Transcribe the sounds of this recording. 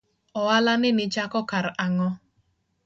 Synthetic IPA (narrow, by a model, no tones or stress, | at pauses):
ɔwalanɪnɪt͡ʃakɔkaɾaŋɔ